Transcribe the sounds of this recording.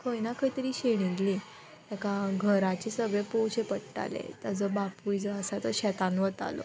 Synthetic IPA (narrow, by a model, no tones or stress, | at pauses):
kʰəjnakʰəjt̪əɾiːɕeɽ̃iɡli | t̪akaɡʱəɾat͡ɕesəɡepowt͡ɕepəʈʈa̰lḛt̪əd͡zɔbapujd͡zɔasat̪əɕɛt̪anʋət̪a̰lo̰